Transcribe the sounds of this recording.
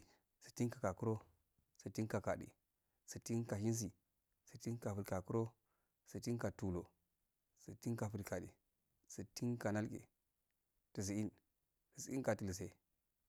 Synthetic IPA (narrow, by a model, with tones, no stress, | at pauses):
si̥˨ti˦nka˨ka˨ku˦ɾo˦ | sə˨ti˦nka˨ka˨ɗḭ˨ | si˨ti˦nka˨ʃi˦ns̬i˨ | si˨ti˦nka˨fu˨lka˨ku˦ɾo˦ | si˨ti˦nka˨tu˨lo˨ | si˨ti˦nka˨fu˨lka˨dḭ˨ | si˨ti˦nka˨na˦lkḛ˨ | ti˨s̬i˨i˦n | ti˨si˨i˦ka˨ti˨li˨s̬e˦